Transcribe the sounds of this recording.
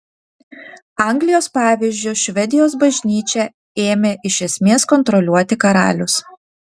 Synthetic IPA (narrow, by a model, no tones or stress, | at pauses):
ɑˑŋɡlʲɪjoːspɑːʋʲɪzʲd͡ʒʲʊʃʲʋʲɛd̪ʲɪjoːsbɐʒʲnʲiːt͡ʃʲɛ | eːmʲeːʔɪʃʲɛsʲmʲeːskɔnt̪ɾɔlʲuɔt̪ʲɪkɐɾɑ̰ːlʲʊs